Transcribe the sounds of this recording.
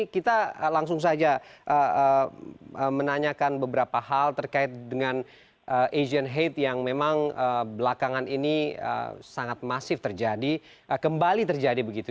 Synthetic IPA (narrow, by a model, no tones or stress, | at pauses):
kit̪aəlaŋs̬ʊŋs̬ad͡ʒaʔəə | əmənaɲakanbəbəɾapaɦalt̪ərkaɪt̪̚dəŋan | ʔəʔed͡ʒənɦet̪jaŋmemaŋəbəlakaŋaniniə̰saŋat̪̚masɪft̪ərd͡ʒadi | ʔəkəmbalit̪ərd͡ʒadibəɡit̪u